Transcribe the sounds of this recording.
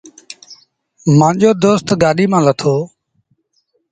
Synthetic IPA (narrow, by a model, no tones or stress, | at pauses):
mãːd͡ʒoːd̪oːst̪ɡaːɗiːmãːlət̪ʰoː